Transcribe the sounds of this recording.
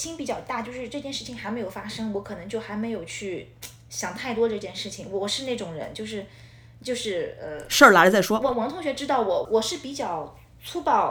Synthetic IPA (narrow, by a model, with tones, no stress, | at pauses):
ɕi˥npi˨˩t͡ɕjɑ˥˩ʊt̪a˥˩t͡ɕjo˥˧ʊʂɻ̩˥˧ʈ͡ʂɤ˥˧t͡ɕjɛ˥˧nʂɻ̩˥˩t͡ɕʰi˨˩ŋxa˧˥ɪm˧˥ɪjo˨˩fa˥ʂɤ˥ŋwɔ˧˥kʰɤ˨˩nɤ˧˥ŋt͡ɕjo˥˩ʊxa˧˥ɪme˧˥ɪjo˨˩ʊt͡ɕʰy˥˩ | ɕjɑ˨˩ŋt̪ʰa˥˩ɪt̪wɔ˥ʈ͡ʂɤ˥˧t͡ɕjɛ˥˧nʂɻ̩˥˩t͡ɕʰi˨˩ŋwɔ˨˩ʂɻ̩˥˧ne˥˩ɪʈ͡ʂʊ˨˩ŋɻə̰˧˥nt͡ɕjo˥˧ʊʂ̬ɻ̩˥˧ | t͡ɕjo˥˧ʊʂɻ̩˥˩ə˧ʂə˥˩la˧˥t͡sa˥˩ɪʂwɔ˥wɔ˧˥wɑ˧˥ŋt̪ʰʊ˥ŋɕɥɛ˧˥ʈ͡ʂɻ̩˥t̪ɑ˥˩ʊwɔ˨˧˩wɔ˨˩ʂɻ̩˥˩pi˨˧˥t͡ɕjɑ˥˩ʊ | t͡sʰu˥pɑ˥˩ʊ